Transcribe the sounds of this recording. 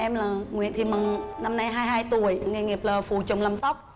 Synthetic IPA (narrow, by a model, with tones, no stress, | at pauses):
ʔɛ˧mlaː˨˩ŋwḭ˧˨ənt̪ʰi˨˩mɨ˨˩ŋna˧mna˧jɦaː˧jɦaː˧jt̪u˨˩˨əjŋe˨˩ŋi˨˩p̚laː˨˩fṵ˧˩t͡ɕʊ̰˨˧˨wŋ͡mlaː˨˩msa˦˥wk͡p̚